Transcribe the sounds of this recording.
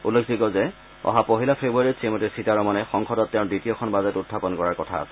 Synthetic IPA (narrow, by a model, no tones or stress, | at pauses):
ulːekʰzikɔzɛ | ɔ̰ɦapoɦilapʰebuaɹisemɔtisitaɹɔmanɛxɔŋkʰɔdɔtːɛʊ̃ditijɔkʰɔnbazɛtutʰːapɔnkɔɹaɹkɔtʰa̰ːsɛ